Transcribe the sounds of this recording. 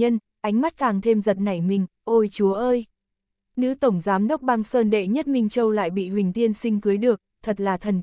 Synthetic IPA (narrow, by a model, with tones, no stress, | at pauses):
ə˧n | ʔa˨˦jŋ̟ma˦˥t̚kaː˨˩ŋt̪ʰe˧mzə˨˩t̚na˨˧˩jmï˨˩ŋ̟ | ʔo˧jt͡ɕu˨˦əʔəː˧j | nɨ̰˧˥t̪ə˧˩wŋ͡mzaː˨˦mɗə˦˥wk͡p̚ɓa˧ŋsəː˧nɗḛ˧˨ɲə˦˥t̚mï˧ŋ̟t͡ɕə˧wla̰ː˧˨jɓḭ˧˨hwï˨˩ŋ̟t̪i˧ənsï˧ŋkɨ˨˦jɗɨ˨˩ək̚t̪ʰə˨˩t̚laː˨˩t̪ʰə˨˩n